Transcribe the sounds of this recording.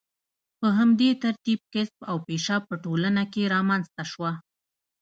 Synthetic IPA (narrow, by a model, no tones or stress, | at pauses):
pəɦamd̪et̪aɾt̪ib̚kɪsbawpeʃɑpəʈolənakeɾɑmanzt̪aʃwa